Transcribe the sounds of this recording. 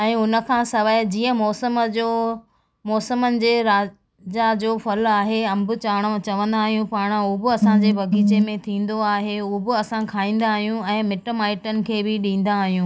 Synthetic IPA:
ɛ̃ːʊnə̆kʰãːsɐʋaːd͡ʑiːə̃mɔːsəmd͡ʑo | mɔːsəmənɪ̆d͡ʑeːɾaː | d͡ʑad͡ʑoːfɐlaːɦeɐ̃mbʊ̆t͡ɕaːɽ̃õt͡ɕɐʋə̃nd̪aːɦijũpaːɽ̃ʊbɪɐsãd͡ʑeːbɐɡʱiːt͡ɕemẽt̪ʰĩːn̆d̪oaːɦeʊbɪɐsãkʰaːĩːn̆d̪aːɦijũɛ̃ːmɪʈəmaːɪʈənɪ̆kʰeːbɪɗĩːn̆d̪aːɦijũː

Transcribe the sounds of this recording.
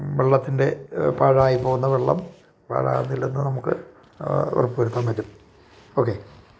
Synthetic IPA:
ʋeɭːɐt̪ːinde̞paːɻaːjipo̞ːɣunːɐʋeɭːɐ̰m | pa̰ːɻa̰ːwunːilːenːɨnɐmukːɨ̰ | o̰rupːuɾut̪ːɐmʋɐɾːum | o̞kːe̞

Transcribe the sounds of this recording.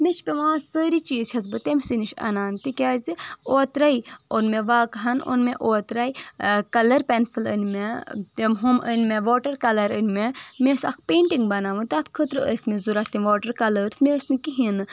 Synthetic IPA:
mʲet͡ʃʰpʲeʋãːsəːɾit͡ʃiːzt͡ʃʲʰɐz̬bɨt̪emʲsiniʃɐ̰naːnt̪ikʲaːzioːt̪ɾaionmeʋaːkɦɐno̰nmeʔoːt̪ɾaːjkɐlɐɾpʲensɨlə̰nmet̪emɦumə̰nʲmeʋoːʈɐɾkɐlɐɾənʲmemʲesɐ̰kʰpʲeːɳʈiŋɡbɐnaːʋɨnt̪at̪ʰkʰət̪ɾɨəsʲmʲezuɾat̪imʋoːʈɐɾkɐləɾsmesʲnɨkiɦinɨ

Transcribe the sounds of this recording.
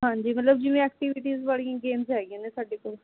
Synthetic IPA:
ɦãːɲd͡ʒiːmət̪ləb̚d͡ʒɪʋẽɛːk̚ʈiʋɪʈiːzbaːɽijãːɡeːmzɦɛːɡijãːnesaːɖeːkoːl

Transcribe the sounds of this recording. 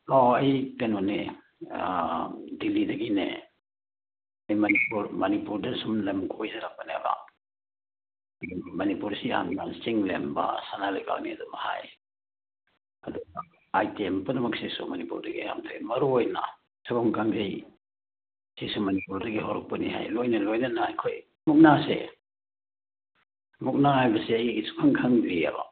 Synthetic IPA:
ɔɐjtenɔnḛ | dilːidɐɡinḛ | ɐjmɐnipuɾmɐnipuɾdasumlemɡʰojzaɾak̚banea̰ba̰ | ɐdumɐnipuɾsia̰ndansiŋlemba̰sanaleka̰wniadɔmaha̰j | ɐduɡa | ajtiempɐdɐmɐksisumɐnipuɾdɐɡḭja̰mtʰajmɐɾuojnɐ̰ | sʰakaŋkʰaŋzij | sisumɐnipuɾdɐɡiɦoɾɔk̚pɐnḭha̰jlojnɐlojnɐnɐːjkʰoj | muk̚nasḛ | muk̚nahajbɐseɐjisu̥kʰaŋkʰaŋziɐ̰ba̰

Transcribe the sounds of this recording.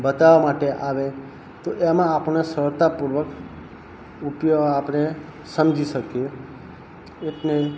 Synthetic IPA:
bət̪aʋamaʈeʔaʋe | t̪oʔemãːpnesəɾt̪apuɾʋək | upjoapñe | səmd͡ʒiʃəkje | eʈne

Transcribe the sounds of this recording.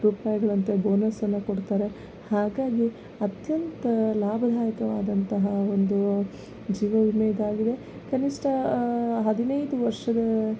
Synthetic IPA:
ɾupɐːjɐɡɐɭɐnt̪eboːnɐsɐnːɐkoɽt̪aːɾe̞ | haːɡaːɡi | ɐt̪jɐnt̪ɐlaːbʱɐd̪ʱaːjɐkɐʋaːd̪ɐnt̪ɐɦɐo̞nd̪u | d͡ʒiːʋɐʋimɛid̪aːɡid̪e̞ | kɐniʂʈɐɦɐd̪inɐjd̪uʋɐɾʂɐd̪ɐ

